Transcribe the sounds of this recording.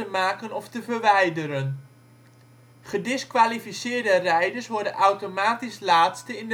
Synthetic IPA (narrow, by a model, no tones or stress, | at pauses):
əmaːkənɔftəvəɹʋɛjdəɾən | χədɪskʋaːlifisɪːɹdərɛjdəɹsʋɔɹdənʔawtomaːtislaːtstəɪnd